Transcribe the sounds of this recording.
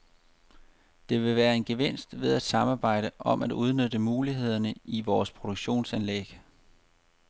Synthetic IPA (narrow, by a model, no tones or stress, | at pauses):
d̥e̝ʋe̝ʋæːɐe̝nɡ̥e̝ʋen̰sd̥ʋe̝ðˠæd̥sɑ̈mɑ̈ːb̥ɑ̈ɪ̰ɾəʔɒ̽mæduð̞ˠnødəmuːliɦe̝ð̞̰ˠɐnəiʋɒːspʰʁo̝d̥oɡ̥ɕo̝̰ːnsænlḛɡ̥